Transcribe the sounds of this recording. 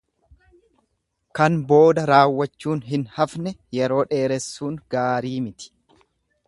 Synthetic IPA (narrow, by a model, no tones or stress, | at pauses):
kɐnbo̞ːd̪ɐɾaːwːɐt͡ʃːuːnɦɪnhɐfnɛjɛɾo̞ːᶑe̞ːɾɛsːuːŋɡaːɾiːmɪt̪ɪ̥